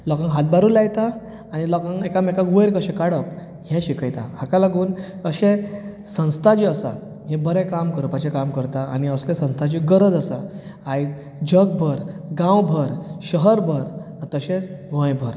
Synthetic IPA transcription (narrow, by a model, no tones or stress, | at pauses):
lɔkãŋɦat̪̚baɾuːlajt̪a | anilɔkə̃ŋekamɛkaɡʋəjɾkəɕẽkaɽəp | ɦɛ̃ɕikəjt̪ahakalaɡuːnəɕẽ | sə̃w̃st̪ʰat͡ɕiəsa̰ | ɦɛ̃bəɾɛkamkəɾpat͡ɕekamkəɾt̪aañiəslesə̃w̃st̪ʰat͡ɕiɡəɾəd͡zəsa | aj | d͡ʑəɡ̚bʱəɾɡãwbʱəɾɕəɦəɾbʱəɾt̪əɕet͡sɡɔ̃jbʱəɾ